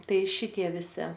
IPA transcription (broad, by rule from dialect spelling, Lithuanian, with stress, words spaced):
ˈtɐɪ ˈʃʲɪtʲiɛ ʋʲɪˈsʲɪ